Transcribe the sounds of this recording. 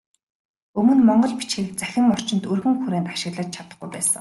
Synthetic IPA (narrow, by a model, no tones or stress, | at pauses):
ɵmɵ̆nmɔɴɢɞ̆ɮpi̥t͡ɕxiːk̚t͡sæxʲɪ̆ŋɔr̥t͡ɕɪ̆nt̪ɵrɣɘ̆ŋxuɾeːnt̪aʃɪ̆ɣɮaːt͡ɕt͡ɕʰat̪ə̆χɡujpæːsə̰̆